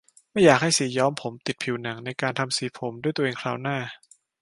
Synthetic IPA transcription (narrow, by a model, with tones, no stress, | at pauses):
ma˥˩jaː˨˩k̚ha˥˩jsiː˨˩˦jɔː˦˥mpʰo˩˦mt̪i˨˩t̪̚pʰi˨˩˦wna˩˦ŋna˧jkaː˧nt̪ʰa˧msiː˨˩˦pʰo˩˦mdu˥˩jt̪u˧ʔeː˧ŋkʰɾaː˧˩wnaː˥˩